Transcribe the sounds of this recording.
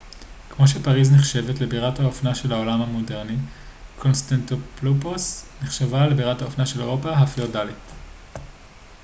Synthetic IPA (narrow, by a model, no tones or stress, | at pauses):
kmo̞ʃ̬e̞paʁizniχʃe̞vetle̞biʁathaofnaʃe̞lao̞lamhamode̞ʁnikʰo̞nstantopluposniχʃavalebiʁathaofnaʃe̞leʁo̞paɦafeodalit